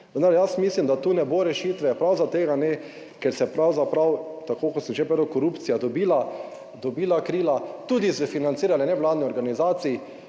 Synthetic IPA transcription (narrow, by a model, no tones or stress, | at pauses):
ʋənd̪aɾjasmislimd̪at̪uːnɛboɾɛʃiːt̪ʋɛpɾawzat̪eːɡanɛ | kɛɾsɛpɾawzapɾawt̪akoːkɔt̪səmʒepɾed̪əkɔɾupt̪sijad̪ɔbiːla | d̪ɔbiːlakɾiːlat̪uːd̪isʋɛfinant̪iːɾalɛnɛʋwlaːd̪niɔɾɡanizaːt̪sii